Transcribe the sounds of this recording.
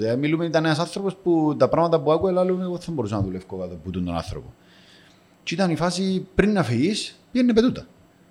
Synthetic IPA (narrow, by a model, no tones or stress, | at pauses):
emilumenit̪ɐneɐs̬ɐnθɾoposput̪ɐpɾɐmɐt̪ɐp̬uɐkuelalumeot̪θɐmboɾusɐnɐðulefkokat̪oput̪unt̪onɐ̰θɾopo̰ | t͡ʃit̪ɐnifasipɾinːɐfiispenːepet̪ut̪ɐ